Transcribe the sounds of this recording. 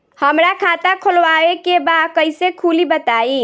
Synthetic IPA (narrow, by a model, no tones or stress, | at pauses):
həmɾakʰat̪akʰolwaekebakəjsekʰulibət̪ai